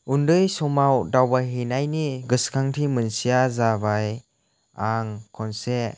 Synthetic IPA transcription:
undɯjsɔmawdawbaɦinajniɡɯskʰaŋtʰimɯnsijazabaj | aŋkʰɔnse

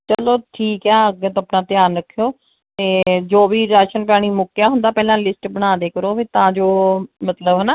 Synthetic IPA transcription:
t͡ʃəloːʈʰiːkɛːəɡət̪oəpnãːt̪jaːnɾəkʰːjoː | t̪eːd͡ʒoːʋiːɾaːʃənpjaːɽ̃iːmʊkːjaːɦʊ̃nd̪aːpɛːlãːlɪsʈbəɽ̃aːd̪eːkəɾoːbiːt̪ãːd͡ʒoːmət̪ləbɦənaː

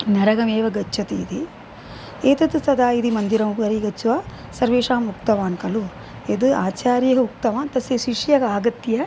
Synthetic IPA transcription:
nɐɾɐɡɐmeːʋɐɡɐt͡ʃʰːɐt̪iːd̪i | eːt̪ɐt̪ut̪ɐd̪ʱaːid̪imɐnd̪iɾɐmuɐɾiːɡɐt͡ʃːuʋaː | sɐɾʋeːʂaːmːukt̪ɐʋaːnkɐlu | ed̪uaːt͡ʃaːɾjɐɡɐuk̚t̪ɐʋaːnt̪ɐseʃiʂjɐkaːɡɐt̪jɐ

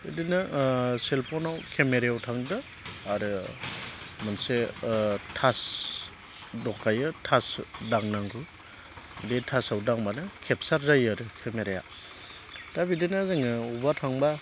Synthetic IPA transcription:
ɯdɯnɯselpʰɔnawkʰemeɾejawtʰaŋdɯː | ɾɯ | manse | tʰas | dɔkʰajɯtʰasdaŋnaŋɡɯ | detʰasawdaŋbanɯkʰep̚saɾzajaɾɯkʰemeɾeja̰ | tabidɯnazɯŋɯubatʰaŋba

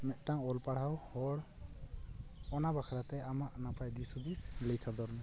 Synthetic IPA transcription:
mɛt̪̚ˀʈaŋɔlpaɽ̤awhɔɽ | ɔnabakʰaɾat̪ɛamaʔnapʰajd̪isud̪isləjsad̪ɔɾnɛ

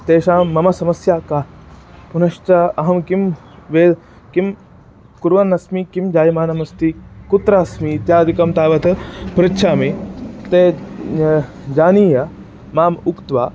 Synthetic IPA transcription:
t̪eːʃaːmːɐmɐsɐmɐsjaːkaːpunɐʃt͡ʃɐɐɦɐmkim | ʋeː | kim | kuɾʋɐnːɐsmikimd͡ʒaːjimaːnɐmɐst̪ikut̪ɾaːsmit̪jaːd̪ikɐmt̪aːʋɐt̪ɐpɾɐtːʃʰaːmit̪eː | d͡ʒaːniːjɐ | maːmukt̪ʋaː

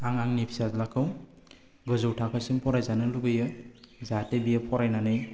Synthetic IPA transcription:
aŋaŋnipʰi̥sazlakʰɯw | ɡɯzowtʰakʰasiŋpʰɔɾajzanɯluɡɯjɯzatebijapʰɔɾajnanɯj

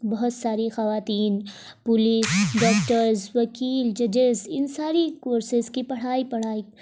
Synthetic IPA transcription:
bɐɦʊt̪saːɾixɐʋaːt̪iːn | pʊliːsɖɔːkʈəɾzʋɐkiːld͡ʒɐd͡ʒɪzɪnsaːɾikoːɾsɪzkipɐɽ̤aːipɐɽ̤aːi

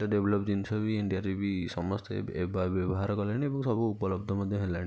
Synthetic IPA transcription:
ʈaɖeblɔpd͡ʒinisɔbieɳɖiaɾibisɔmɔst̪ḛebabebɔɦaɾɔkɔleniebɔŋsɔbʱuupɔlɔbd̪ʱɔɾmɔd̪ʱjɔɦelan

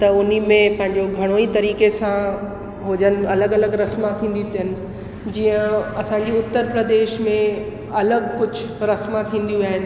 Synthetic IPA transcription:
t̪ɐʊnimẽpɐ̃ɦɪ̃ɲd͡ʑoɡʱɐɽ̃oːit̪ɐɾiːkesã | ɦod͡ʑənɪ̆ɐləɡɐləɡɾɐsmãt̪ʰĩːn̆d̪iũt̪ʰijənɪ̆ | d͡ʑiːə̃ɐsãɲ̆d͡ʑiʊt̪ːəɾpɾəd̪eːʃmẽ | ɐləɡkʊd͡ʑʱʊɾɐsmat̪ʰĩːnd̪ijuɦiaːɦɪnɪ̆

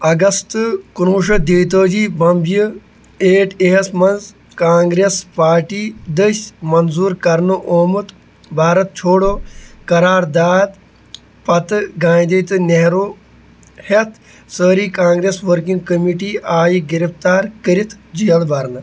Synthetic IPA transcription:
ɐɡɐst̪ɨkunuːʃɐd̪iːt̪oːd͡ʒiːbɐmbji | eːʈʰeɦɐsmɐnz | kaːŋɡɾeːspaːɾʈiːd̪əʃmɐnzuːɾkɐɾnoʔoːmut̪ | bʱaːɾɐt̪̚t͡ʃʰoːɽoːkɐɾaːɾd̪aːd̪ | pɐt̪ɨɡãːjd̪it̪ɨneɦɾoː | het̪ʰ | səːɾiːkãːŋɡɾeːsʋəɾkĩŋɡkɐmiːʈiːaːjiɡiɾift̪aːɾkəɾit̪d͡ʒijɐlbɐɾnɨ

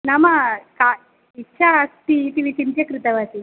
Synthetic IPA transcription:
nɐmɐka | itːʃʰɐst̪it̪iʋit̪int̪jɐkɾit̪ɐʋɐsi

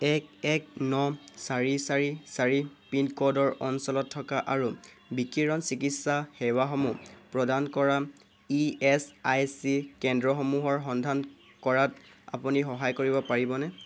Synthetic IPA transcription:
ɛkɛk̚nɔsaɹisaɹisaɹipinkɔdɔɹɔnsɔlɔtʰːɔkaʔaɹu | bikiɹɔnsikitsahɛwaxɔmupɹɔdankɔɹa | iɛsajsikɛndɹɔxɔmuɦɔɹxɔndʱan | kɔɹata̰punixɔɦajkoɹibɔpaɹibɔnɛ

